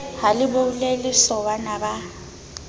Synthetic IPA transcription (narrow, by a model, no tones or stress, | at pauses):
halɪboulelɪsɔβanaba